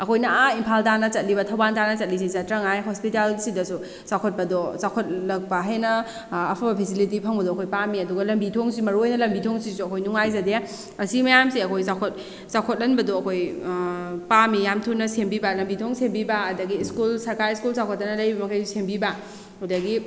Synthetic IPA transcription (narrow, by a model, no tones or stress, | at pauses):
ɐkʰojnɐaimpʰaltanɐt͡ʃɐt̚libɐtʰɐwbantanɐt͡ʃɐt̚lis̬izɐtɾɐŋajɦospitalsidɐsu | sawkʰot̚pɐdɔsawkʰot̚lɐk̚baɦenɐː | pʰabɐpʰesilit̬ipʰɐŋbɐdɔɐkʰojpamiɐduɡɐlɐmbitʰoŋsimɐɾuojnɐlɐmbitʰoŋsisuɐkʰojnuŋajzɐdea | ɐsiɡimɐjamsiɐkʰojsakʰot̚ | sakʰot̚lɐnbɐdɔɐkʰoj | pamijamtʰunɐsembibalɐmbitʰoŋsembibaːdɐɡiːskulsɐɾkajskulsawkʰotːɐnɐlɐjbɐmɐkʰɐjsembiba | hudɐɡi